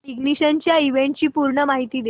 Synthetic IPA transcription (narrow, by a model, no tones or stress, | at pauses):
iɡniɕənt͡ɕjaiʋeɳʈ̚t͡ɕiːpuɾɳəmaɦit̪iːd̪e